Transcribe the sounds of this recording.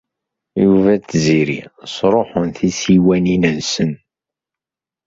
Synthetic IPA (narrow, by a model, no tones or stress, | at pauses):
juvæt͡s̪ːziɾḭsɾˤoħənθisiwæninənsən